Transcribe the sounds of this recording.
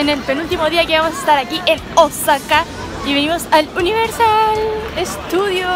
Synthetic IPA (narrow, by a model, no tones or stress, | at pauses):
ene̞lpenult̪imoðiakeβamos̬aest̪aɾakiʔenosaka | iβe̞nimo̞saluniβeɾsalest̪uðjo